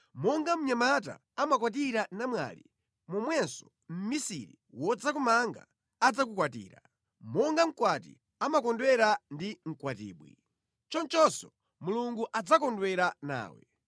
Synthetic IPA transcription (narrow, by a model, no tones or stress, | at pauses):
mɔŋɡam̩ɲamata̰ːmak̬wat̬iɾanamwa̰lḭ | mɔmwɛnsɔ̥ | m̩misiɾiwɔd͡zakumaŋɡa̰ː | d͡zak̬ukwat̬ḭːɾa̰ | mɔŋɡam̩kwatḭ | amakɔndwɛɾandiŋ̩kwatḭːɓwḭ | t͡ʃɔnt͡ʃɔsɔ | muluŋɡuʔad͡zakɔndwɛɾana̰ːwɛ̰